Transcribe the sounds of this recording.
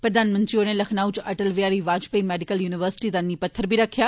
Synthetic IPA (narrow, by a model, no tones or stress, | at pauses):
pɾəd̪aːnmə̃nt̪ɾioːneləkʰnaːut͡ʃəʈəlʋijaːɾiːʋaːd͡ʒpəimɛːɖɪkəljuːnɪʋəɾsɪ̥ʈiːd̪anːiːpət̪ʰːəɾbʱiːɾəkʰːjaː